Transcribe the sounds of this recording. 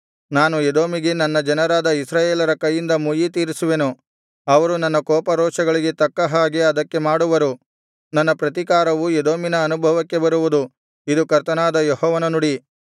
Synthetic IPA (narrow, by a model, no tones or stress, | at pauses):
naːnued̪o̞ːmiɡenɐnːɐd͡ʒɐnɐɾaːd̪ɐisɾaːjeːlɐɾɐkɐjːind̪ɐmujit̪̬iːɾisuʋe̞nu | ɐʋɐɾunɐnːɐkɔːpɐɾɔːʂɐɡɐɭiɡe̞t̪ɐkːɐɦaːɡeɐd̪ɐkːe̞maːɽuʋɐɾu | nɐnːɐpɾɐt̪ikaːɾɐʋued̪o̞ːminɐːnubʱɐʋɐkːe̞bɐɾuʋud̪u | id̪ukɐɾt̪ɐnaːd̪ɐjɔɦɔːʋɐnɐnuɽi